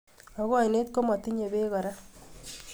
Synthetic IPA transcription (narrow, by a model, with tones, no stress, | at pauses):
ɔ˨ɣɔ˨jne˦t̚ko˦mɔ˨t̪i˦ɲe˨be˦ɣɔ˨ɾa˦